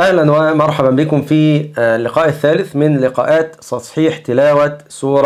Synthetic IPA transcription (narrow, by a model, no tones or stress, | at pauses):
ʔæhlænwæmɑɾˤħɑbæmbɪkʊmfiːlːɪqɑːʔɪθːæːlɪθmɪnlɪqɑ̰ːʔaːt̪sˤɑsˤħiːħt̪ɪlaːwæsuːɾˤɑ